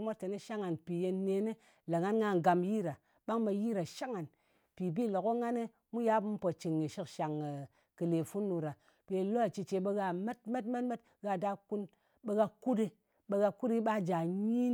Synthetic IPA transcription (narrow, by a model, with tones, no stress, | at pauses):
mʷo˦te˨ne˦ʃa˦ŋa˨npi˨je˧nːe˧˦ne˦ | la˨ŋa˦nŋa˧ŋ˨ɡa˨mji˦ɾa˨ | ɓa˦ŋɓe˧ji˦ɾa˨ʃa˦ŋa˨n | pi˨bi˦˨lo˨ko˦ŋa˦ne˦ | mu˦ja˦bm̩˦po˨t͡ʃi˨ŋːi˨ʃi˦kʃa˨ŋ˨ | kɨ˨le˨fu˦nːu˧ɾa˨ | pe˧˨lo˦a˨t͡ʃi˧t͡ʃe˧ɓe˧ɣa˧me˦t̚me˦tme˦tme˦t̚ | ɣa˧da˧ku˦n | ɓe˧ɣa˧ku˦de˧ | ɓe˧ɣa˧ku˦di˦ɓa˦˨d͡ʒa˨ɲi˦